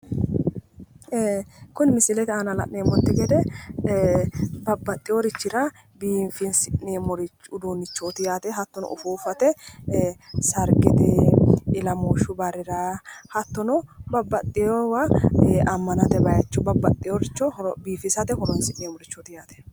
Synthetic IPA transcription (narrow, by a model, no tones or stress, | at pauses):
kʊnmɪsɪlɛt̪ɛanɐlɐ̰ʔneːmɔt̪ːɪɡɛd̪ɛ | bɐbːɐt̪ʼːɪjɔɾɪt͡ʃːɪɾɐ | biːfɪnsɪʔnemɔɾɪt͡ʃʊd̪unːɪt͡ʃːot̪ɪjaːt̪ɛɦɐt̪ːɔnɔ̰ʊ̰fuːfɐt̪ɛ | sɐɾɡɪt̪ɛɪlɐmoːʃʊbɐɾɪɾaːhɐt̪ːɔnɔbɐbːɐt̪ʼːɪjowaʔɐmːɐnɐt̪ɛbɐjɐt͡ʃːɔbɐbːɐt̪ʼːɪjoɾɪt͡ʃːɔbiːfɪsɐt̪ɛhɔɾɔnsɪʔneːmɔɾɪt͡ʃːɔt̪ɪjaːt̪ɛ̥